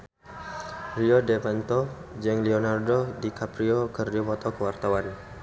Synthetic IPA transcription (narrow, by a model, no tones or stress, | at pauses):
riɔdɛpant̪ɔd͡ʒɛŋlionardodikapɾiokərdiomɔt̪ɔkəwart̪awan